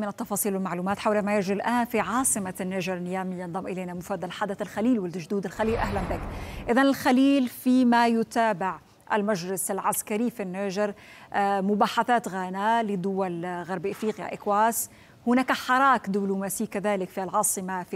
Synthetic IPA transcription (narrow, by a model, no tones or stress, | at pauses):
mɪnɪt̪ːɑfɑːsˤiːlwɪlmaʕluːmaːt̪ħawlamajɪd͡ʒɾilʔaːnfiʕɑːsˤɨmanːaʒɾˤnːɪjaːmijɑnðˤɑmʔɪleːnamʊfaːd̪alħaːd̪aθalxaliːlwɪlʒd̪uːd̪ɪlxaliːlʔahlanbɪkʔɪðanɪlxaliːlfimajʊt̪aːbɪʕ | ʔɪ̰lmaʒɾɪsɪlʕaskaɾifinːaʒɪɾ | mʊbaːħaθaːt̪ɣaːnalɪd̪ʊwalɣaɾˤbʔafɾiːqja̰ʔɪkwaːs | hʊnaːkaħɑɾˤɑːkd̪ɪblumaːsiːkaðaːlɪkfilʕɑːsˤɨmaf